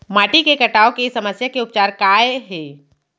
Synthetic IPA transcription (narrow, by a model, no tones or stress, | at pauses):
maːʈikekɐʈaːokesɐməsjakeʊp̚t͡ʃaːɾkaːeɦɛː